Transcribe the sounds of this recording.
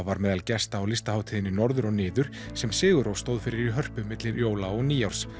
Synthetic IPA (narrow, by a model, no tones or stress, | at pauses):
vaɾmɛːðalcɛst̪aːwlɪst̪ahaːwt̪ʰiːðɪnɪnɔɾðʏɾɔɣnɪːðʏɾ̥ | sɛmsɪːɣʏɾowst̪owðfɪɾɪɾiɦœr̥pʏmɪt̪lɪɾjoːwlaɔɣniːjawɾ̥s